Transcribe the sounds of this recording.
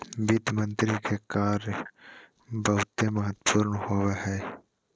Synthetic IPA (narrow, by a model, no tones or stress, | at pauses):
bɪd̪mə̃nt̪ɾikekaːɾ | bɐɦʊt̪emɐɦət̪pʰʊːɾnhoːwaɦɛː